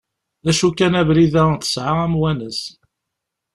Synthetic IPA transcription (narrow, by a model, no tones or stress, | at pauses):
æʃukːænævɾiðæθə̥sʕaæmwænəs